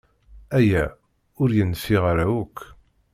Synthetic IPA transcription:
æjæ | ʊɾjənfiʁaɾæukː

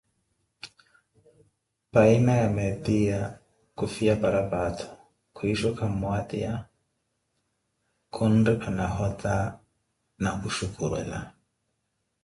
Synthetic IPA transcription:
painajamɛtia | kufiapaɾabatʰɔ̥ | kʰuiʃɔkʰamwat̪ḭa | kʰundipʰanaɦɔt̪a | nakuʃukuɾɛ̰la̰

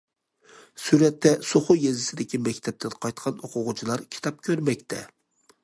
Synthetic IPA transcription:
syɾɛt̪ʰːɛsoχʊjezɪsɪd̪ɪkʲimɛkʲt̪ʰɛp̚t̪ʰɛd̪qʰɑjt̪qʰɑnoqʰʊʁʊt͡ʃʰilˠɑɾkʲʰi̥t̪ʰɑp̚kʲʰøɾmɛkʲt̪ʰɛ̰

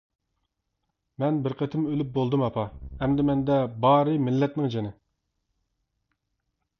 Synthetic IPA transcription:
mɛnbɪɾqʰət̪ʰɪmølyp̚bolˠd̪ɨmɑpʰɑɛmd̪ɛmɛnd̪ɛbɑːɾɨmɪlːɛt̪nɪŋd͡ʒenɪ

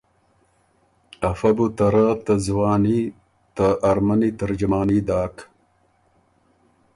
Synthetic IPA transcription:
ɐfɐbut̪ɐɾat̪ɐzwaːni | t̪ɐʔːɾmɐnit̪ɐɾd͡ʑumaːnid̪aːk

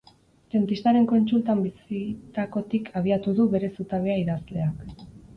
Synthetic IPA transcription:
d̪ent̪ist̪aɾe̞ŋko̞nt͡ʃult̪ambisit̪ako̞t̪ikʰaβ̞iat̪uðuβe̞ɾe̞sut̪aβeaiðazle̞ak

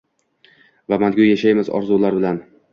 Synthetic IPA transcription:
vamanɡʲʊjjaʃajmɪzɒ̰ɾzulaɾbɪlan

